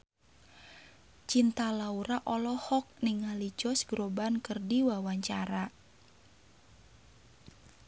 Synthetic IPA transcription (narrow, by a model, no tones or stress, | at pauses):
t͡ʃint̪alauɾaʔɔlɔhɔk̚niŋalit͡ʃɔsɡɾobankərdiwawaɲt͡ʃaɾa